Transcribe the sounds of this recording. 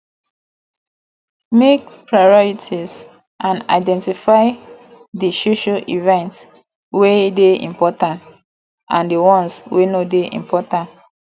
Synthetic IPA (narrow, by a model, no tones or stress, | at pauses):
mek̚pɹaɹɔɹitʰiz | ʔãna̰ɪdɛ̃ntifaɪ | diʃuʃaʔivɛ̃nts | wedeḭ̃mpɔtãnt | ʔã̰ndiwɔ̃nswenodeʔḭ̃mpɔtãnt